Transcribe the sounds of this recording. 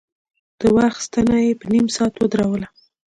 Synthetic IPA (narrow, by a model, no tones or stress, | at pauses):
d̪̥əwaxst̪anajepənimsɑt̪wəd̪ɾawəla